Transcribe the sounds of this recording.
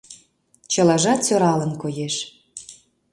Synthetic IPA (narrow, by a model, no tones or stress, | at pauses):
t͡ɕə̆lɑʒɑt̪soɾɑlə̆nkojeʃ